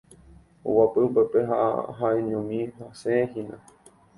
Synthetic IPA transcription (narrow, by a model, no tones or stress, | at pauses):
o̰wapɨupepeɦa̰ɦaẽɲõmĩɦaseeɦĩnã̰